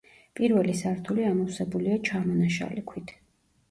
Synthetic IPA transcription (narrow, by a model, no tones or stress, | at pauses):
pʼiɾvɛlisaɾt̪ʰuliamɔfsɛbuliat͡ʃʰamɔnaʃa̰likʰwit̪ʰ